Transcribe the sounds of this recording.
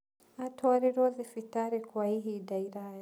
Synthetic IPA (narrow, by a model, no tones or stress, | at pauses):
atɔaɾiɾɔðifitaɾikwahiɦidaiɾahaja